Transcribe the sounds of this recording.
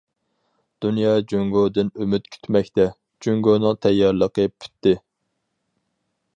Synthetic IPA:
d̪̥unjɑːd͡ʒøŋɡod̪ɨnømyt̪̚kʲʰy̥t̪ʰmɛkʲt̪ɛ | d͡ʒøŋɡonɨŋt̪ʰɛjːɑɾlˠəqəpʰy̥t̪ːɪ

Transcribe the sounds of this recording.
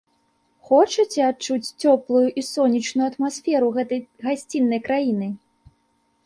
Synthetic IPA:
xɔt͡ʂɨt͡sʲɛat͡ʂut͡sʲt͡sʲɔplˠujuʔisɔnʲit͡ʂnujuɐt̪masfʲɛɾuɣɛt̪ɐjɣasʲt͡sʲinːɐjkɾajinɨ

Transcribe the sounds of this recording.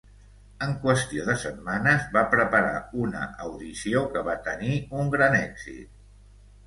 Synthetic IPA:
əŋkwəst̪ioðəsət̪manəzβapɾəpəɾa̰unə̰ʔəwðisiokəβat̪əniuŋɡɾanɛɡz̥ḭt̪̚

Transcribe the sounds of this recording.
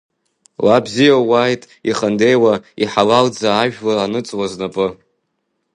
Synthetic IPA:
labzijawajtʼ | iχənde̞jwaiħalald͡zaːʒᶣlaranɨt͡sʼwaznapʼɨ

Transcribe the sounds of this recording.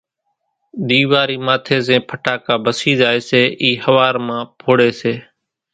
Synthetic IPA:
ɗ̪iːʋaːɾiːmãːt̪ʰeːzẽːpʰəʈaːkaːbəsiːzaːeːseːʔiːhəʋaːɾmãːpʰoːɽeːseː

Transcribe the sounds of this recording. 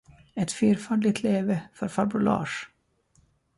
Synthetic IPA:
ɛt̪fyːɾfaːd̪lɪt̪ʰleːvəfœɾfaɾbʊlɑ̰ːʂ

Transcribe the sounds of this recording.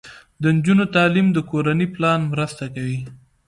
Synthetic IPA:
d̪ənd͡ʒunot̪ɑlimd̪əkoɾaniplɑnmɾəst̪akawi

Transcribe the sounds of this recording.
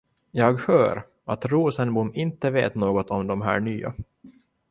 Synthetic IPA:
jɑːɡhœːɾ | at̪ɾuːsənbʊmːɪnt̪əvḛːt̪noːɡɔt̪ʰɔmd̪ɔmɦæ̰ːɳyːa̰

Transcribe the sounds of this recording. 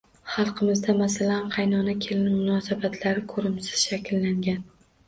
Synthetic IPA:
χɑlˠqʰɨmɪzd̪amasalanqʰɑjnɒnakʲʰe̞lɪnmʊnɒsabat̪ʰlaɾɪkʰɵɾɪmsɪ̥z̥ʃakʲlːaŋɡʲan

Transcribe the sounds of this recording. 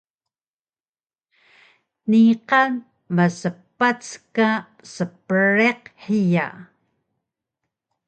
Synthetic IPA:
niqan | məsəpːat͡ska | səpəɾeqħija̰

